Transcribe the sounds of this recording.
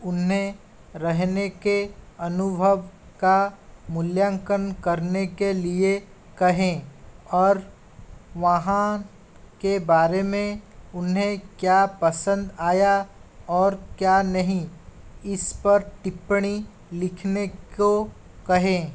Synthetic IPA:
ʊnɦẽ | ɾɐɦnekeɐnʊbʱəʋ | kamʊljãːŋkənkɐɾnekelie | kɐɦẽɔːɾ | ʋɐɦã | kebaːɾemẽʊnɦẽkjapɐsə̃nd̪aːjaɔːɾkjaːnɐɦĩɪspɐɾʈɪpɽ̃i | lɪkʰneko | kɐɦẽː

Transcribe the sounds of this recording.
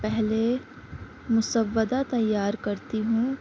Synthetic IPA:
pɛɦle | mʊsəʋːəd̪at̪ɐjːaːɾkɐɾt̪iɦũː

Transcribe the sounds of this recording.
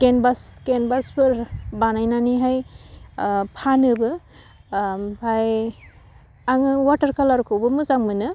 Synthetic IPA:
kenbaskenbaspɯɾbanajnaniɦaj | pʰanɯbɯ | bʱaj | aŋɯwatɐɾkalaɾkʰɯwbɯmɯzaŋmɯnɯ

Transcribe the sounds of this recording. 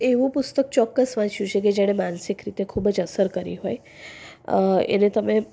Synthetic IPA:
eʋũpust̪ək̚t͡ʃɔkːəsʋãʃjut͡ʃʰek̬ed͡ʒɛɽ̃emansikɾit̪ekʰuːbəd͡ʒəsəɾkəɾḭɦoj | ḛnet̪əmẽ

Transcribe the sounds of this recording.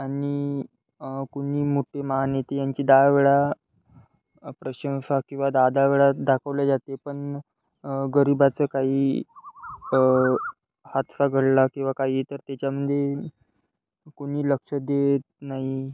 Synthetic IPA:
aɽi | koɽiːmoʈʰemaɦanet̪ijaɲt͡ɕiːd̪aʋeɭa | pɾəɕə̃wɕakĩw̃ʋad̪ad̪aʋeɭad̪akʰəʋljad͡zat̪epəɳ | ɡəɾibat͡səkaɦiː | hat̪səɡʱəɽlakĩw̃ʋakaɦiːt̪əɾt̪jat͡ɕjaməd̪ʱje | koɽ̤̃iːləkʂəd̪et̪naɦi

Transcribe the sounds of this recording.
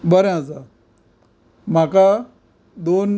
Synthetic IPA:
bəɾẽad͡za | m̤aka | d̪on

